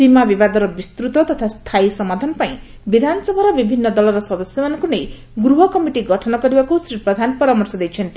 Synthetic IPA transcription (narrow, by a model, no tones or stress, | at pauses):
simabibad̪ɔɾɔbist̪ɾut̪ɔt̪ɔt̪ʰast̪ʰajsʌmad̪ʱanɔpaĩ | bid̪ʱansʌbʱaɾɔbibʱinːʌd̪ɔlɔɾɔsʌd̪ɔsjɔmanɔŋkunej | ɡɾuɦɔkʌmiʈiɡʌʈʰɔnɔkʌɾibakusɾipɾʌd̪ʱanpɔɾamɔɾsɔd̪ejt͡ʃʰʌnt̪i